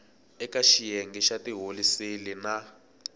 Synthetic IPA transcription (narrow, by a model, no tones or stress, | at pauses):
ɛkaʃijeŋɡiʃatiɦolisilina